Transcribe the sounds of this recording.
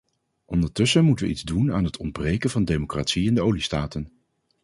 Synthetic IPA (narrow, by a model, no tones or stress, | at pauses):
ʔɔndəɹtɵsəmutəʋə̰ʔidzdunaːnɦətʰɔnd̚brejkənvɑndejmokraːtsiɪndəowlistaːtən